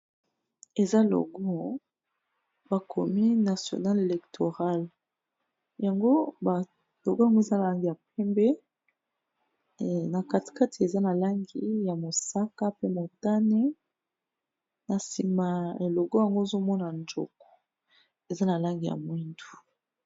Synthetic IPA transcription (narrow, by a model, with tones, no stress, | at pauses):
e˨za˦lo̰˨ɡɔ˦ | ba˨kʰo˨mi˦na˨sjo̰˨na˦le˨lɛ˨ktʰo˨ʁa˦l | ja˨ŋɡo˦ba˨ | lo˨ɡo˦ja˨ŋɡo˦e˨za˦na˨la˦ŋɡi˨ja˨pɛ˦mbɛ˦ | na˨ka˨ti̥˨ka˦tʰi˨e˨za˦na˨la˦ŋɡi˨ja˨mo˨sa˦ka˦pe˦mo˨ta˦ne˦ | na˨si˨ma˨e˨lo˨ɡo˦ja˨ŋɡo˦e˨zo˦mɔ˦na˨nd͡ʒo̰˨kɔ̥˨ | e˨za˦na˨la˦ŋɡi˨ja̰˨mwi˦ndu̥˨